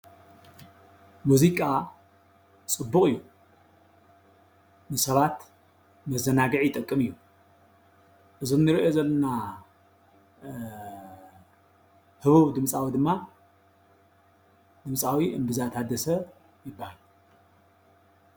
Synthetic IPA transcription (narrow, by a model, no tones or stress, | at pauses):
muzikʼa | t͡sʼɨbːukʼɨjːu | nɨsɐβat̪ | mɐzɐnaɡɐʕjɪt̪ʼɐkʼːɨmɨjːu | ʔɨzɨmnɨɾiʔozɐlːɐna | hɨβuβd̪ɨmsʼawid̪ɨmːa | d̪̥ɨmsʼawiʔɨmbɨzat̪ʰad̪ɐsɐ | jɪbːahal